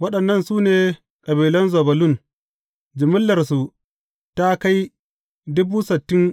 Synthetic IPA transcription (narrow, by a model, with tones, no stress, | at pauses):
wɐ˦ɗɐ˨nːɐ˦˨nsuː˦neː˨ | kʼɐ˨biː˨lɐ˦nzoː˨bɐ˨lʊ˦˨n | d͡ʒɪ˨mɪ˦lːɐ˨rsu˨ | ta˦ka˦j | dʊ˦buː˦sɪ˨tːɪ˦ŋ